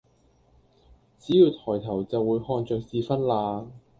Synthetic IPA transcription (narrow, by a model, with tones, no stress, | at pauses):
t͡siː˨˥jiː˧wt̪ʰɔː˨˩jt̪ʰɐ˨˩wt͡sɐ˨wːuː˨˧jhɔː˧nt͡ʃœː˨k̚siː˧fɐ˥nlaː˧